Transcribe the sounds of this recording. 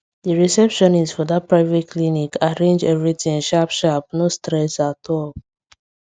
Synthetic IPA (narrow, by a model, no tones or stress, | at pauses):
diɹisɛpʃɔ̃nizfɔdat̚pɹaɪvet̚kʰlinikʰaɹẽnd͡ʒɛvɹitĩʃapʃap̚nostɾɛsatʰɔl